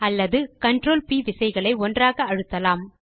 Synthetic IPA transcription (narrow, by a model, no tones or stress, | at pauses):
ɐlːɐðɯkɐɳɖroːlpiːʋɪsɐɪɣɐɭɐɪɔndraːɣɐːɻɯt̪ːɐlaːm